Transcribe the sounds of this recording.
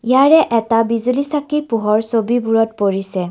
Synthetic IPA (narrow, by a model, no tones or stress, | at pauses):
ijaɹɛʔɛtabizulisakipuɦɔɹsobibuɹɔt̚poɹisɛ